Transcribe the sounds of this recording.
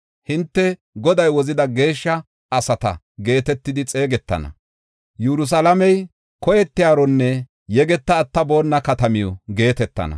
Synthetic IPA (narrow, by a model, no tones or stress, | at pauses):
hɪnt̪ːɛ | ɡɔd̪ɐjwɔzɪd̪ɐɡe̞ːʃːɐ | ɐsɐt̪ɐ̰ | ɡe̞ːt̪ɛt̪ːɪd̪ɪt͡sʼe̞ːɡɛt̪ːɐ̰nɐ̰ | jɛɾʊs̬ɐlɐmɛj | kɔjɛt̪ːɪjaːɾɔnːɛ | jɛɡɛt̪ːɐːt̪ːɐbo̞ːnːɐkɐt̪ɐmɪjɔɡe̞ːt̪ɛt̪ːɐ̰nɐ̰